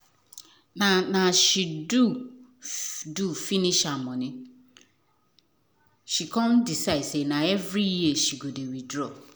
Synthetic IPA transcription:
nãnãɕidu | dufinĩʃamɔ̃nɪ̃ | ʃikʰɔ̃mdisaɪsenãɛvɾijieʃiɡodewidɾɔ

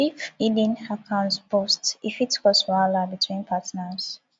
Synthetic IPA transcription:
ifidĩnakʰãʊ̃nsbɔstifitkɔsɹalabitʰwĩnpʰatnas

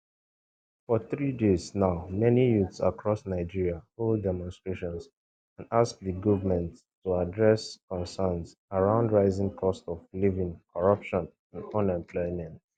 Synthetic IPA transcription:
fɔθɹideznaʊmɛnijutsa̰kʰɹɔsnaɪd͡ʒiɹiaholdɛmɔ̃nstɹeʃɔ̃ns | ãndask̚ðəɡɔvəmɛ̃nt | tːuadɹɛskɔ̃nsəns | aɹãʊ̃ndɹaɪzɪ̃ŋkʰɔstɔvlivĩŋkʰɔɹʌpʃɔ̃n | ãnɔ̃nɛ̃mpʰlɔɪmɛ̃nt

